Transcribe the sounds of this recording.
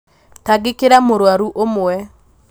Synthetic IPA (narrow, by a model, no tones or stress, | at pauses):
taɡɪkeɾamoɾwaɾuʔomoɛ